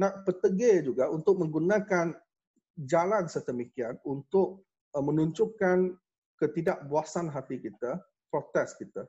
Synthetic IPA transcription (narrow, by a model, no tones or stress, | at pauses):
nãʔpət̪əɡed͡ʒuɡaʔunt̪ʊk̚mə̃ŋɡunãkan | d͡ʒalansərt̪əmikianunt̪ʊk̚ | mə̃nuɲt͡ʃʊkan | kət̪idaʔbuasanɦat̪ikit̪a | pɾot̪ɛskit̪a